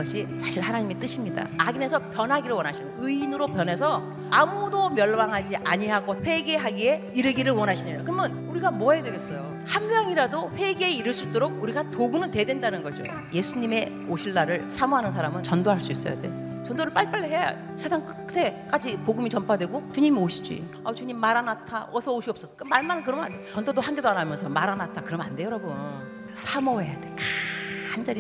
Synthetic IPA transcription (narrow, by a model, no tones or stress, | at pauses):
ʌɕʰisʰaɕʰiɭhanaɲime̞t͈ɯɕʰimɲida̰aɡine̞sʰʌpjʌnɦaɡiɾɯɭwʌnaɕʰin | ɯinɯɾopjʌne̞s̬ʰʌ | amudomjʌɭmaŋɦad͡ʑiʔaɲiɦaɡoɸwe̞ɡe̞ɦaɡieiɾɯɡiɾɯɭwʌnɦaɕʰinejo̰kɯɾʌmjʌn | uɾiɡamoʌɦajedweɡes͈ʌjo | hamːjʌŋiɾadoɸwe̞ɡeiɾɯɭs͈uɭt͈oɾoɡ̚uɾiɡatoɡɯunɯntwe̞dwe̞ndanɯnɡʌd͡ʑo̰ | je̞sʰuɲime̞ | oɕʰiɭːaɾɯɭsʰamoɦanɯnsʰaɾamɯnt͡ɕʌndoɦaɭs͈uis͈ʌ̰ja̰de̞̰ | t͡ɕʌndoɾɯɭp͈aɭp͈aɭːiɦe̞ja̰ | sʰesʰaŋk͈ɯ | te̞k͈ad͡ʑipoɡumit͡ɕʌmpʰadwe̞ɡot͡ɕuɲimioɕʰi̥d͡ʑḭ | ʌt͡ɕuɲimːaɾanatʰaʔʌsʰʌoɕʰiʌp̚s͈ʌs͈ʌk͈ɯmaɭmanɯnkɯɾʌma̰ndet͡ɕʌndodohaŋɡedanamjʌnsʰʌmaɾanatʰakɯɾʌmande̞jʌɾʌbun | sʰamoɦe̞jade̞kaand͡ʑaɾi